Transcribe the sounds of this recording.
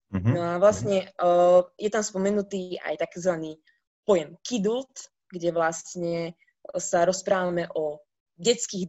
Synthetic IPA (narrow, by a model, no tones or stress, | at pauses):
nɔaʋlasɲɛ | jɛt̪amspɔmɛnut̪iːa̰jt̪akzʋaniː | pɔjɛmkid̪ult̪ | ɡɟɛʋlast̪ɲɛ | saɾɔspɾaːʋamɛʔɔ | ɟɛt͡skiːɣ